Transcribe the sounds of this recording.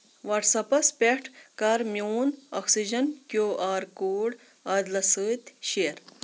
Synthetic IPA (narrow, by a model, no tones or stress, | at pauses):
ʋɐʈsɐpɐspʲeʈʰkɐɾmʲjoːnɔksid͡ʒɐnkjoːʔaːɾkoːɽ | ad̪lɐsɨːt̪ʲʃeːɾ